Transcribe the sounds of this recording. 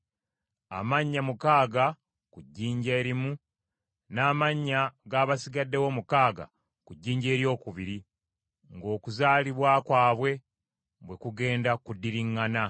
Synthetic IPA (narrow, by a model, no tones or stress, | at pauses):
a̰maɲːamukaːɡa | kuɟːiːɲɟeːɾimu | naːmaɲːaɡaːβasiɡadːe̞wo̞mukaːɡa̰ | kuɟːiːɲɟe̞ːɾjo̞ːkuβiɾi | ŋɡo̞ːkuzaːliβwaːkwaːβwe̞ | bwe̞kuɡe̞ːndakudːiɾiŋːana